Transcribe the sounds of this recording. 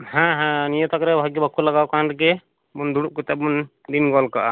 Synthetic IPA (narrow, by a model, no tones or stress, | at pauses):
hãɦɛ̃nijɔt̪akɾɛbʱaɡibakːulaɡawkanɾk̬ɛ | bund̪uɽuʔ̚kɔt̪ɛbun | d̪inɡɔlkaʔa